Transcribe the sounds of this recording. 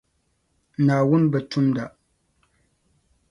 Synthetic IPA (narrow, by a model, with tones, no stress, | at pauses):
naː˨wu˦nbə˨tʰu˦mda˦˨ʔ